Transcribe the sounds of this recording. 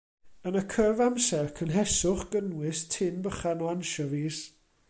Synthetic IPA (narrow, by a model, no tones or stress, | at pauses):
ənəkʰəvamsɛrkʰənɦɛsʊχɡ̥ənwɪstʰɪnbəχanɔanʃɔviːs